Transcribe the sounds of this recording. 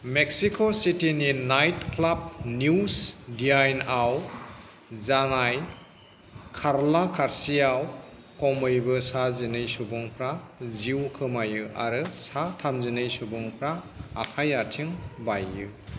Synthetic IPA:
mek̚sikʰositininajtkʰlab̚nusdiajnaw | zanaj | kʰaɾlakʰaɾsijaw | kɔmɯjbɯsazinɯjsubɔŋpʰɾaziwkʰɯmajɯa̰ɾɯsatʰamzinɯjsubɔŋpʰɾaː | kʰajatʰiŋbajːɯ

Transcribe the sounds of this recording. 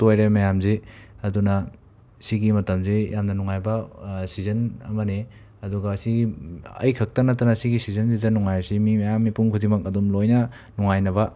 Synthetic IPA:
tojɾemɐjamzeɐdunɐ | siɡimɐtɐmzejamnɐnuŋajbɐsizɐnɐ̰mɐne | ɐduɡɐsiɡiɐ̰jkʰɐk̚tɐnɐtːɐnɐsiɡisizɐns̬idɐnuŋajsimimɐjamːipuŋkʰudimɐkɐdumlojnɐ | nuŋajnɐβɐ

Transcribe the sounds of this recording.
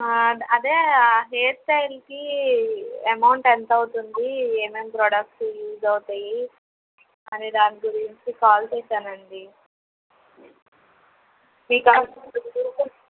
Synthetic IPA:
ɐd̪eːɦeːt̪ʈɐjlki | ɐmɐwɳʈent̪ɐwut̪und̪iemempɾɔːɽɐk̚sjuːd͡ʒɐwut̪ɐji | ɐnid̪aːniɡuɾiɲt͡ʃikaːlseʈːɐnɐɳɖi | miːkaːsɐuu

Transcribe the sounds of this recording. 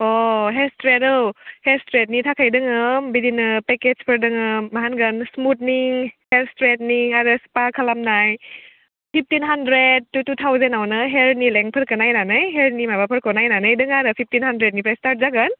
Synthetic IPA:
ɔɦestɾetɯwhestɾet̚nitʰakʰajdɯŋɯmbidinɯpekezpʰəɾdɯŋɯːaɦanɡənsmut̚niŋhelstɾet̚niŋaɾɯspakʰalamnaj | pʰip̚ʰtinɦandɾed̚ːututʰawzenawnɯɦeɾnileŋpʰɯɾkɯnajnanɯjɦeɾnimabapʰɯɾkɔnajnanɯjdɯŋaɾɯpʰip̚ʰtinɦandɾet̚nipʰɾajstaɾt̚zaɡɯn

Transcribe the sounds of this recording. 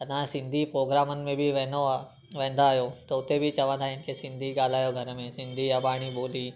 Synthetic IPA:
ɐnãsɪ̃nd̪ʱipɾoːɡɾaːmənɪ̆mẽbʱiʋɛ̃ːno | ʋɛ̃ːnd̪aːɦjot̪ɐʊt̪ebʱit͡ʃɐʋãnd̪ʱaɪnkʰesɪ̃nd̪ʱiɡaːl̤aːjoɡʱɐɾəmẽsɪ̃nd̪ʱijaɓaːɽ̃iɓoːli

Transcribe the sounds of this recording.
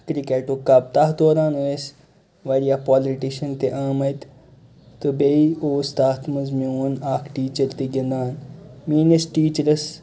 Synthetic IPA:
kɾikeʈukɐb̚t̪ɐɦd̪oːɾaːnues | ʋɐɾijapaːliʈiʃɐnt̪eʔaːmɐt̪ | t̪ɨbeioːst̪aːt̪ʰmɐzmĩuːnaːkʰʈiːt͡ʃɐɾt̪iɡʲɐnd̪aːnmiːnesʈiːt͡ʃəɾɐs

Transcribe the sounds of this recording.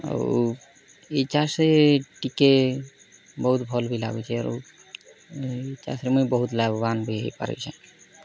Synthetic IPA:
a̰ɾ | et͡ʃasɾeʈike | bɔɦut̪bʱɔlbʱila̰ɡṵt͡ʃʰɛaɾṵ | t͡ʃa̰sɾemujbɔɦut̪labbanbʱiɦḛjpa̰ɾɔ̰jt͡ʃʰɛ

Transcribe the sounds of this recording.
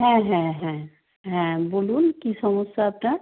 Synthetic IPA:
ɦɛ̃ɦɛ̃ɦɛ̃ | ɦɛ̃bolunkisɔmɔsaːpna

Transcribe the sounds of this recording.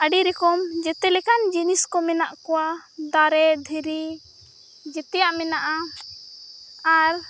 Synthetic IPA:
əɖiɾɛkɔmd͡ʒɛt̪ɛlɛkand͡ʒiniskɔmɛnaʔkɔwad̪aɾɛd̪ʱiɾi | d͡ʒɛt̪ɛjaʔmɛnaʔa | aɾ

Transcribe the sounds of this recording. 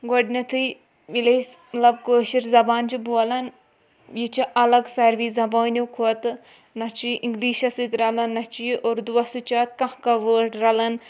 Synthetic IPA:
ɡoɖnʲɐt̪ʰɨ | ʋilɐs | mɐlɐb̚kəːʃiɾzɐbaːnt͡ʃʰibuɐlɐn | jit͡ʃʰiʔɐlɐɡsɐɾʋiːzɐboːnʲikʰuɐt̪ | nɐt͡ʃʰiʔiŋɡliːʃɐsit̪ɾɐlɐnːɐt͡ʃiʔoːɾd̪uʋɐsɨt͡ʃat̪kɐ̃hkɐʋəːɖɾɐlɐn

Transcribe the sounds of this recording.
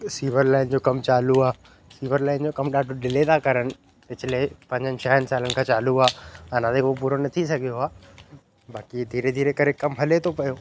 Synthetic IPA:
siːʋəɾlaːɪnd͡ʑoːkɐmt͡ɕaːluaː | siːʋəɾlaːɪnd͡ʑokɐmɗaːɖʱoɗɪlet̪ʰakɐɾənɪ̆ | ɐt͡ɕʰɪlepɐ̃ɲd͡ʑənɪ̆t͡ɕʰɐɦənɪ̆saːlənɪkʰãːt͡ɕaːluaːɐnãt̪eop̬uːɾonɐt̪ʰisɐɡʱijoaː | baːkid̪ʱiːɾed̪ʱiːɾekɐɾekɐmɦɐlet̪ʰopɐjoː

